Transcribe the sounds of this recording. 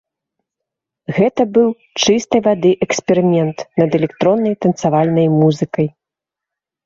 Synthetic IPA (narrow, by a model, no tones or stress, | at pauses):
ɣɛt̪ɐbɨw | t͡ʂɨst̪ɐjvad̪ɨʔɛksʲpʲɛɾɨmʲɛnt̪nɐd̪ɛlʲɛkt̪ɾɔnːɐjt̪ɐnt̪savalʲnɐjmuzɨkɐj